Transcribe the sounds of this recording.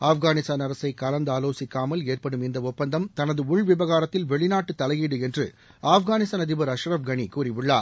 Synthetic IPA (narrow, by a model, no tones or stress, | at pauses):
aːfɣaːnɪst̪aːnɐɾɐsɐɪkːɐlɐnd̪aːloːsɪkːaːmɐleːrpɐɽɯmɪnd̪ɐʊpːɐnd̪ɐmt̪ɐnɐðɯʊɭʋɪbɐɣaːɾɐt̪ːɪlʋɛɭɪnaːʈːɯt̪ːɐlɐjiːɽɯɛndrɯ | aːfɣaːnɪst̪aːnɐðɪbɐɾɐʃɾɐfɡɐɳikuːrɪʋɪɭːaːɾ